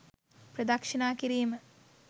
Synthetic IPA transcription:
pɾɐd̪ɐkʂinaːkiɾiːmə

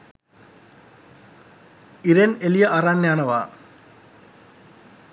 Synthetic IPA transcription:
iɾenelijɐʔɐraːnːaːɳɐʋa̰ː

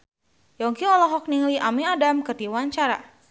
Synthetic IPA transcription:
jɔŋkiɔlɔɦɔk̚niŋliʔamiadamkərt̪iwaɲt͡ʃaɾa̰

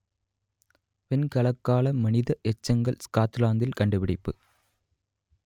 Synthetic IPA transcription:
pɛnkɐɭɐkːaːlɐmɐnɪðɐʔɛt͡ʃːɐŋɡɐɭskaːt̪ːɯlaːnd̪ɪlkɐɳɖɯʋɪɽɪpːɯ

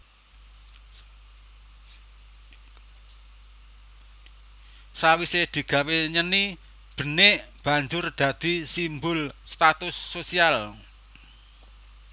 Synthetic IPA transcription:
sawised̪̥i̤ɡ̥a̤weɲəni | b̥ə̤nɪʔb̥a̤ɲd͡ʒʊrd̪̥ä̤d̪̥i̤simbʊlst̪at̪ʊsːosial

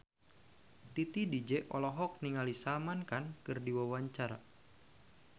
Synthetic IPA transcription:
t̪it̪idid͡ʒɛʔɔlɔɦɔk̚niŋalisamankankɨrdiwawaɲt͡ʃaɾa̰

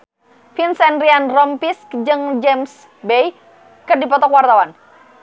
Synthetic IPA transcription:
finsɛnrianrɔmpiskd͡ʒɨŋd͡ʒɛms | bej | kərdipɔt̪ɔkwart̪awan

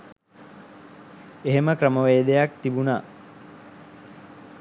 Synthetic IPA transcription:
eɦeməkɾəməʋeːd̪ejak̚t̪ibunaː

